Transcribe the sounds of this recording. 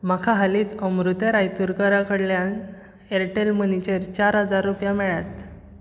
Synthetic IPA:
makʰaɦalit͡səmɾut̪əɾajt̪uɾkəɾakəɽljan | eɾʈelmənit͡ɕeɾt͡ɕaɾɦəd͡zaɾːupjamɛɭjat̪

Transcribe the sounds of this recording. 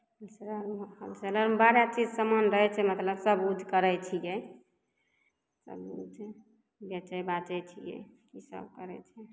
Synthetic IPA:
əlsɾəhəlsələɾbaɾjat͡ʃid͡ʒsəmənɾəɦɛt͡ʃʰɛmət̪ləbsəbud̪ʱkəɾɛjt͡ʃʰijɛ | sə̰bud̪ʱ | bɛt͡ʃəjbat͡ʃɛt͡ʃʰijɛ̰kisə̰bkəɾɛ̰t͡ʃʰɛ

